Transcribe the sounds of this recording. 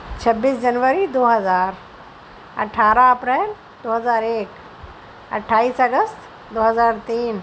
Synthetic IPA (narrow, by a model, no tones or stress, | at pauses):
t͡ʃʰɐbːiːsd͡ʒɐnʋəɾid̪oːɦɐzaːɾ | ɐ̰ʈʰaːɾaɐpɾɛːl | d̪oːɦəzaːɾeːk | ɐ̰ʈʰːaːiːsɐɡəst̪ | d̪oːɦəzaːɾt̪iːn